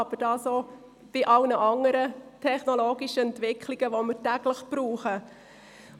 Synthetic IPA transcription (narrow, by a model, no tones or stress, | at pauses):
ɑb̥ədɑːsoː | b̥ɪʔɑlnəʔɑŋəɾətʰɛχnɔloːɡiʃəɛntʋɪkχliɡ̥əʋoməɾtæɡ̥ləχb̥ɾuːχə